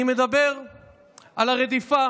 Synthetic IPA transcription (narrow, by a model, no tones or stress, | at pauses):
ime̞d̪abe̞ʁ | ʔalaʁed̪ifa